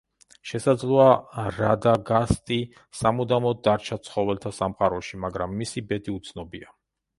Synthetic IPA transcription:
ʃɛsad̪zlˠɔaɾad̪aɡast̪ʼi | samud̪amɔd̪aɾt͡ʃʰat̪sʰχɔvɛlt̪ʰasamχaɾɔʃimaɡɾamːisibɛd̪iut̪sʰnɔbia

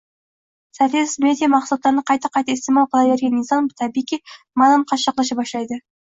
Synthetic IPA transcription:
sæfesɪ̥med̪ijamɑqsɑt̪ːˠɑɾnəqʰɑjt̪ɑqʰɑjt̪ɑɪst̪emɑlˠqʰɑlˠɑjveɾɡʲenːisɑmt̪ʰɑbikʲi | mɑd̪ɑnqʰɑʃɑqlˠɑʃ̬əpɑʃlˠɑjd̪ə

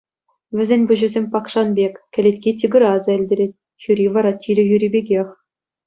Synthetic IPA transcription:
ʋʲɘ̆zʲenʲbʲŭʑɘ̆zʲemʲpɑkʂɑnbʲekʲkʲɘ̆lʲetʲkʲitʲiɡɤ̆ɾɑzɑɘlʲdʲeɾʲetʲ | xʲyɾʲiʋɑɾɑtʲilʲɘ̆jyɾʲibʲeɡʲexʲ

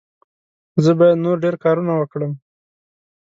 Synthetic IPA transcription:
zəbɑjad̪noɾɖeɾkɑɾunawəkɽəm

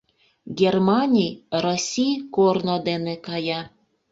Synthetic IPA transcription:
ɡʲermɑnʲijrosʲijkornod̪enekɑjɑ

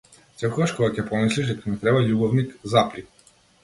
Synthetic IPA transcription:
sɛlkɔɡaʃkɔɡacɛpɔmisliʒd̪ɛkanɛt̪ɾɛbaʎubɔvnikzapɾi

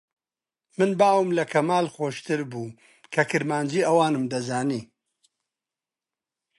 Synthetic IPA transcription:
mɨnbaːwɨmlɐkʰɐmaːlxoːʃt̪ʰɨɾbuː | kʰɐkʰɨɾmaːnd͡ʒiːɐwaːnɨmd̪ɐzaːniː

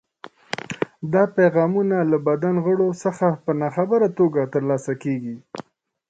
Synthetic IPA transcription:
d̪ɑpajɣɑmunalabad̪anɣəɽosəxapənɑxabəɾat̪oɡat̪əɾlɑsakeɡi

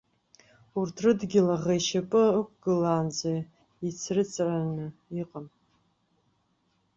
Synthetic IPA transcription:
urtʰrɨdɡʲɪlaʁajʃapʼɨək̚ʷʰʼɡɨlaːnd͡za | it͡sʰrɨt͡sʰʼranɨiqʼam

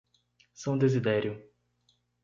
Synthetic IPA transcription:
sɐ̃w̃d̪ezid̪ɛɾjʊ

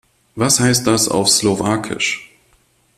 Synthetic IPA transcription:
vashaɪst̚d̥asa̰ʊfslovaːkʰɪ̰ʃ

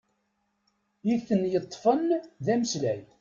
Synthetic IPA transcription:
jiθənːjət̪ˤːfənðæməslæj

